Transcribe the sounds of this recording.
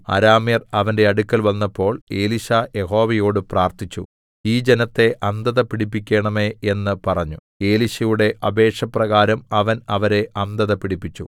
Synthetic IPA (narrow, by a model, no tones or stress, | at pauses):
ɐ̰ɾaːmirɐʋɐnde̞ɐɽukʲːɐlʋɐnːɐpːo̞ːɭe̞ːliɕajeho̞ːʋɐjo̞ːɽɨpraːrt̪it͡ɕːṵ | iːd͡ʑe̞nɐt̪ːe̞ʔɐnd̪ɐðɐpiɽipːikʲːe̞ːɳɐme̞ːenːɨpɐrɐɲːu | e̞ːliɕɐjuɽe̞ʔʔɐbe̞ːʈʂɐprɐɣaːɾɐmɐʋɐnɐʋɐɾe̞ʔɐnd̪ɐðɐpiɽipːit͡ɕːṵ